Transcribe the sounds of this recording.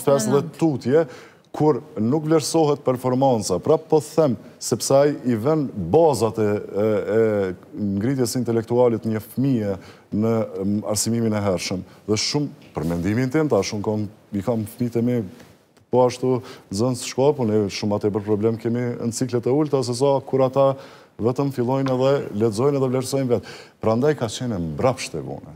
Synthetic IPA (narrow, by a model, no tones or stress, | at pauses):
fɛst̪ðɛt̪ut̪jɛ | kʰuɾnukvlɛɾsɔɦɛt̪̚pɛɾfɔɾmant͡sapɾapɔθɛmsɛpsɛajivɛnbazat̪ɛɛŋɡɾit̪̬jɛsint̪ɛlɛk̚t̪ualɛt̪ɲəfmiɛ | nəa̰ɾsimiminɛɦɛɾʃəmðɛʃumpəɾmɛnd̪imint̪ɛnt̪aʃumkam | ikamfmit̪ɛmi | pɔaʃt̪uzənsʃkɔpunɛʃumat̪ɛbəɾpɾɔblɛmkɛmint͡siklɛt̪ɛult̪as̬ɛs̬akuɾat̪a | vɛt̪əmfilˠɔjnɛðɛlɛzɔjnɛðɛvlɛɾsɔjnvɛt̪pɾand̪ajkat͡ɕɛnɛmbɾapʃt̪ɛvṵnɛ